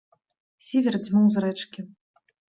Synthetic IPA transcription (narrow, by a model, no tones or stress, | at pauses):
sʲevʲɛrd͡zʲmuwzɾɛt͡ʂkʲi